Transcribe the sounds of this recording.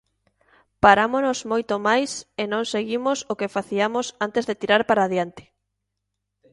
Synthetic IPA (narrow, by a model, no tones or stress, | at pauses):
paɾamonozmojt̪omajsenõŋseɣimosokefaθiamosant̪ezðet̪iɾaɾpaɾaːðjant̪ɪ̥